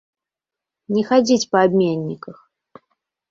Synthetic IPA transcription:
nʲɛxad͡zʲit͡sʲpɐabʲmʲenʲːikəx

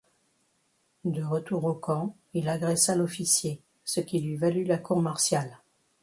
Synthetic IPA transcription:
d̪əʁət̪uʁokɑ̃ | ilaɡʁɛsalɔfisje | səkʲilɥivalylakuʁmaʁsjal

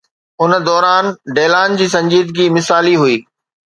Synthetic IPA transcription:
ʊnd̪ɔːɾaːnɖeːlaːnd͡ʑiːsɐ̃ɲd͡ʑiːd̪ɡimɪsaːliɦuiː

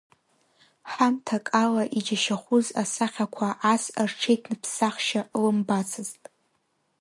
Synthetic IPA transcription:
ħamtʰakʼalaʔid͡ʒaʃaχʷʊzasaχʲakʷʰaʔːsrʈ͡ʂʰejtʰnɨpʰsaχʃalɨmbat͡sʰɨztʼ

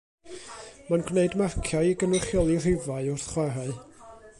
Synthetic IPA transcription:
manɡwneɨdmarkʰjaɨiɡənʊχjɔlˠir̥ɪvaɨʊrθχwɛɾaɨ

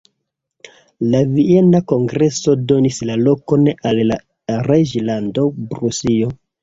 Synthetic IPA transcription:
lavie̞nako̞ŋɡɾe̞so̞do̞nislalo̞ko̞nalːa | red͡ʒlando̞bɾusio̞

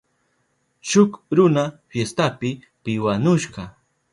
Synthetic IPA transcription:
ʃʊkɾʊnafjest̪apɪ | pɪwanʊʃɢɑ

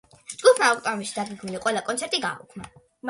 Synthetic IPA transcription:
d͡ʒɡupʰmaɔkʼt̪ʼɔmiʃid̪aɡiɡniliqʼwɛlˠakʼɔnt̪sɛɾt̪ʼiɡa̰ukʰma

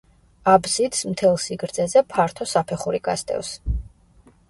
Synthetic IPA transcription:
abzid̪smt̪ʰɛlˠsiɡɾd̪zɛzɛpʰaɾt̪ʰɔsapʰɛχuɾiɡa̰st̪ʼɛ̰vs

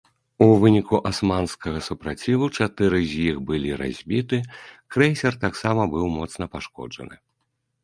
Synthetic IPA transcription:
uvɨnʲikuʔasmanskɐɣɐsupɾat͡sʲivut͡ʂat̪ɨɾɨzʲjixbɨlʲiɾa̰zʲbʲit̪ɨkɾɛjsʲɛrt̪aksamɐbɨwmɔt̪snɐpaʂkɔ̰d͡ʐɐ̰nɨ̰

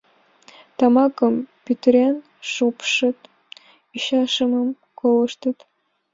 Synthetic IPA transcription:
t̪ɑmɑkɤmpʲit̪rʲen | ʂupʂɨt̪ | iɕɑʂə̆mə̆m | kʰolɤ̆ʂt̪ə̆t̪

